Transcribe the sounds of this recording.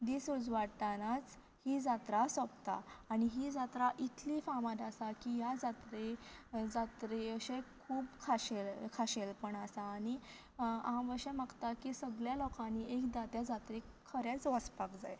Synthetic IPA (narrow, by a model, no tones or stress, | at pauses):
d̪isud͡zʋaɽt̪anat͡s | hid͡zat̪ɾasɔpt̪a̰ːniɦiːd͡zat̪ɾaʔit̪ʰlifamat̪asakijad͡zat̪ɾed͡zat̪ɾeəɕekʰuːbkʰaɕelkʰaɕelpəɳasaːɽi | ãʋəɾɕɛ̃maɡt̪akisəɡljalɔkãniekd̪at̪jad͡zat̪ɾeəɾjat͡sʋəspakd͡zaj